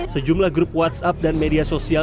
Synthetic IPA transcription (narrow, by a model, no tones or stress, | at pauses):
səd͡ʒumlahɡɾup̚wat̪sap̚danmediasosia